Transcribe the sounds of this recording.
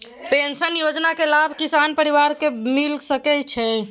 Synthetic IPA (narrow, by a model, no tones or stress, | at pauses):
pensənjod͡ʒnakelabʱkisanpəɾiʋaɾkemilsəkɛt͡ʃʰɛ